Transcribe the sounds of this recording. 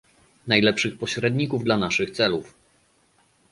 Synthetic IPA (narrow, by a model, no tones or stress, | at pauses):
najlɛpʂɘxpɔɕɾɛd̪ɲikuvd̪lanaʂɘxt̪sɛluf